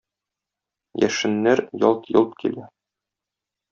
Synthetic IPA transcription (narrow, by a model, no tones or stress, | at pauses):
jæ̰ʃɘ̆nːæɾjɒlˠt̪jɤ̆lˠt̪kʰḭlæ